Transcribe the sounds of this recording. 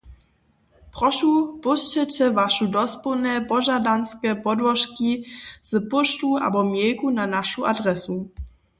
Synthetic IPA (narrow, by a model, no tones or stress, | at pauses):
pɾɔʃupuʃcɛtɛvaʃudɔspunɛpɔʒadanskɛːpɔdvɔʃkiz̥əpuʃtuʔa̰bɔmjɛjkunanaʃuʔadʁɛsu